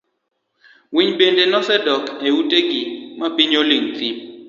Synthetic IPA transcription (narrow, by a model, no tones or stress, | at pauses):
wiɲbendenɔsɛdɔkeutʼeɡimapiɲoliŋt̪ip̚